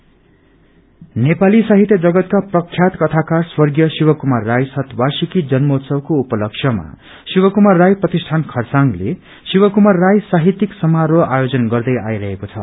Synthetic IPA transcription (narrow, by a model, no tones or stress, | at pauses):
nepalisaɦit̪jʌd͡zʌɡʌt̪kaprʌkʰjat̪kʌt̪ʰakaswʌrɡjʌsiwʌkumarːajsʌt̪barsikid͡zʌnmot̪sʌwkoupʌlʌksʰjʌma̰ | siwʌkumarːajprʌt̪isʈʰankʰʌrsaŋɡlḛ | siwʌkumarːajsaɦit̪iksʌmaɾoajod͡zʌnɡʌrd̪ʌjajɾʌɦekot͡sʰʌ̰